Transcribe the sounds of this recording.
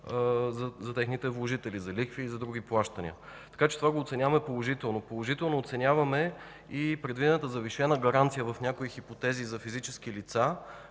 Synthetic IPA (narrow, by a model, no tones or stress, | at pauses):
zɐzɐt̪ɛxnit̪ɛvlˠoʒit̪ɛlizɐlikfiːzɐd̪ɾuɡ̟iplˠaʃt̪ənʲḭə̰ | t̪ɐ̥kat͡ʃɛ̥t̪ovaɡoːt̪sɛnʲavɐmɛpolˠoʒit̪ɛlˠnopolˠoʒit̪ɛlˠnoːt̪sɛnʲjavɐmɛ | ipɾɛd̪vid̪ɛnət̪əzɐviʃɛnəɡɐɾant̪sijəvɐfnʲjakoixipot̪ɛzizɐfizit͡ʃɛsk̟ilit̪sa